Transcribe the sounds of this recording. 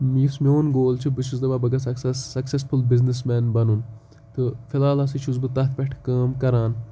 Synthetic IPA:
mismioːnɡoːlt͡ʃʰibɨt͡ʃʰuzd̪ɐbaːbɐɡɐsɐksɐɐksesfulbiznis̬mɛːnbɐnun | t̪ɨfʰilaːlɐsit͡ʃʰuzbɨt̪ɐt̪ʰpʲɐʈʰkaːmkɐɾaːn

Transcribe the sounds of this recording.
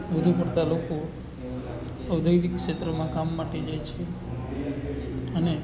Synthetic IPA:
ʋəd̪ʱupəɽt̪aloko | əʋd̪ʱəjd̪ikːʂet̪ɾəmãkamːaʈed͡ʒajt͡ʃʰe | əne

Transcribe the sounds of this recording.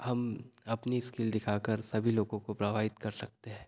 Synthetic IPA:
hɐmɐpniskɪld̪ɪkʰaːkəɾsɐbʱiloːɡõkopɾɐʋʱaːɦɪt̪kɐɾsɐk̚t̪eɦɛ̃ː

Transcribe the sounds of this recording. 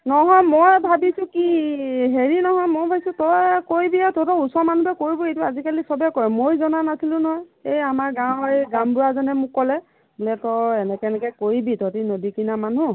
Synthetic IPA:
nɔɦɔjmɔjbʱabisʊ̃kiɦeɹinɔɦɔjmɔjbʱabisʊ̃tɔjkoɹibiatotɔusɔmanubɛkoɹibɔejtuazikalisɔbɛkɔɹɛmojzɔnanasʰilʊ̃nɔɦɔjejamaɹɡãw̃jɡãʊ̃bʊɹazanɛmʊkːɔlɛ | bulɛtɔjɛnɛkɛnɛkɛkoɹibitɔtinodikinamanu

